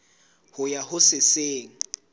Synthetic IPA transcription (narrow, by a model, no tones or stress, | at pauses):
hʊjahʊsɪseːŋ̩